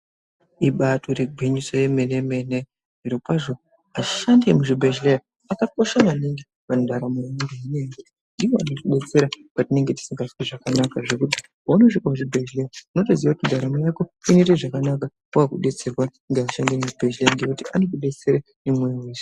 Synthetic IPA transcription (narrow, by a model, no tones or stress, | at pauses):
iɓatʰo̞ɾeɡʱweɲiso̞jeme̞ne̞me̞ne | nʐiɾokwaʐo̞ | aʃandemuʐibʱed͡ʒleja | akako̞ʃaʋaniŋɡi | ʋandaɾamojaundeineɡuti | ndiʋoanotoɗe̞t͡se̞ɾapatine̞ŋɡe̞ti̥siŋɡasweʐakanakaʐe̞kuti̥ | anoʐikamuʐibʱeʒlejauno̞toziʋakutindaɾamo̞jako̞inereʐakanaka | kakakuɗe̞t͡se̞rwa | ŋɡeaʃandemuʐibʱeʒlejaŋɡekutiʔa̰nokuɗe̞t͡se̞ɾe | nemweiwesi̥